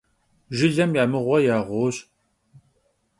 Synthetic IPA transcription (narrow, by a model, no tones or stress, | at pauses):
ʒɪɮɐmjamɨʁʷɐjaːʁʷoːɕ